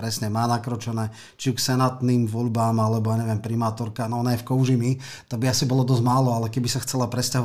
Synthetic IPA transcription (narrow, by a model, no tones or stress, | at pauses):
pɾɛsɲɛmaːnakɾɔt͡ʃɛnɛː | t͡ʃiuksɛnat̪niːmʋɔʎbaːmalɛbɔjaːɲɛʋɛmpɾimaːt̪ɔɾkanɔɔnajɛfkɔʊʒimi | t̪aɡ̚biasibɔlɔd̪ɔzmaːlɔalɛkɛbisaxt͡sɛlapɾɛscaɦɔ